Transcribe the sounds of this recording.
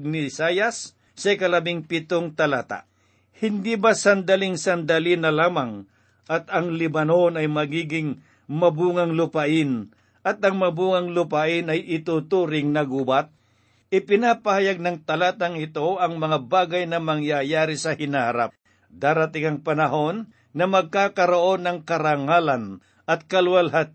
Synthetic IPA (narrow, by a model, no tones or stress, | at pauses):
nɪsaːjɐsː | ɐɪkɐlɐbɪŋpɪt̪oŋt̪ɐlaːt̪a̰ | hɪnd̪ibasɐnd̪ɐlɪŋsɐnd̪ɐlinɐlaːmɐŋ | ʔɐt̪ɐŋlɪbɐnonɐjmɐɡiːɡɪŋ | mɐbuːŋɐŋlʊpaʔɪn | ɐt̪ɐŋmɐbuːŋɐŋlʊpaʔɪnɐjɪt̪ut̪uːɾɪŋnɐɡuːbat̪̚ | ɪpɪnapɐhajaɡ̚nɐŋt̪ɐlaːt̪ɐŋɪt̪o̞ʔɐŋmɐŋabaːɡɐjnɐmɐŋjajaːɾɪsɐhɪnahaɾap̚ | d̪aːɾɐt̪ɪŋɐŋpɐnɐɦo̞nː | ɐmɐɡ̚kaːkɐɾoʔo̞nːɐŋkɐɾaŋaːlɐn | ʔɐt̪̚kɐlwɐlɦat̪̚